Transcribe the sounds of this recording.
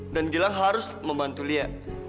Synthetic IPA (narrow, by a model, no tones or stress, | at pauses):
danɡilaŋɦaɾʊs | məmbant̪ulia